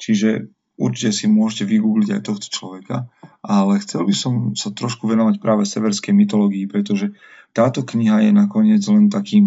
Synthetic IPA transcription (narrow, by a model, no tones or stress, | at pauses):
t͡ʃiʒɛ | uɾt͡ʃicɛsimʊɔʒcɛʋiɡuːɡliɟajt̪ɔxt̪ɔ̥t͡ʃlɔʋɛka̰ʔalɛxt͡sɛlbisɔmsat̪ɾɔʃkuʋɛnɔʋacpɾʔaːʋɛsɛʋɛɾskɛjmit̪ɔlɔːɡiːpɾɛt̪ɔʒɛ | t̪aːt̪ɔkɲiɦajɛnakɔɲɪɛd͡zlɛnt̪akiːm